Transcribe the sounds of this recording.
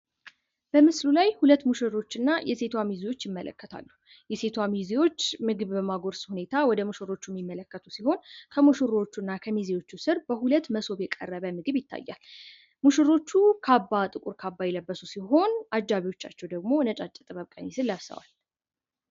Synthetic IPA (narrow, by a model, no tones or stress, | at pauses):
b̥əmɨslulajhulət̪ːmuʃɨɾo̞t͡ʃːɨnːajʔɛse̞t̪ʰwamiziwo̞t͡ʃːjɪmːələ̰kːət̪ʰa̰lːu | jɛse̞t̪ʰwamiziwo̞t͡ʃːmɨɡɨβbəmaɡo̞ɾshune̞t̪ʰawɔd̪əmuʃɨɾo̞t͡ʃːujɛmːimːələkːət̪ʰusiho̞nkʰəmuʃɨɾo̞t͡ʃːunːakʰəmiziwo̞t͡ʃːusɨɾbəhulət̪ːməso̞βjɛkʼə̰rːəβəmɨɡɨβjɪt̪ʰːa̰jːa̰l | muʃɨɾo̞t͡ʃːukʰabːat̪ʼɨkʼuɾkʰabːajɛləbːəsusiɦo̞nʔad͡ʒːaβiwo̞t͡ʃːa̰t͡ʃːɛwd̪əɡmo̞nət͡ʃʼat͡ʃʼːɛt̪ʼɨβəβkʼənisɨlːassə̰wa̰l